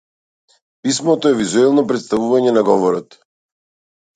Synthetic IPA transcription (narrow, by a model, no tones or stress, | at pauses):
pismɔt̪ɔɛvizuɛlˠnɔpɾɛt̪st̪avuvaɲɛnaɡɔvɔɾɔt̪